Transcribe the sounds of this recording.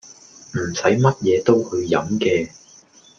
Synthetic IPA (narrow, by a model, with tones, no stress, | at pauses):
m̩˨˩sɐ˨˥jmɐ˥t̚jɛː˨˧t̪o˥whɵ˧ɥjɐ˨˥mkɛː˧